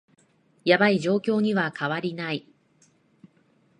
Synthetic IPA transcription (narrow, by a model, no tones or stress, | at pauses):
jabaid͡ʑo̞ːkʲo̞ːɲ̟iβakaβaɾʲinai